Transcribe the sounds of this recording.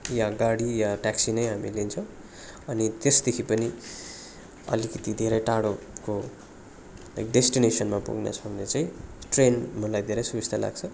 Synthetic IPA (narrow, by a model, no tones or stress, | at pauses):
jaɡaɽijaʈaksinʌjɦamilent͡sʰʌ̃w̃ | ʌnit̪esd̪ekʰipʌni | ʌ̰likʌt̪id̪ʱeɾʌjʈaɽo | ko | la̰jkɖesʈinesʌnmapṵɡna̰t͡sʰʌŋnet͡saĩʈrenmʌlajd̪ʱeɾʌjsuist̪ʰala̰ɡt͡sʰʌ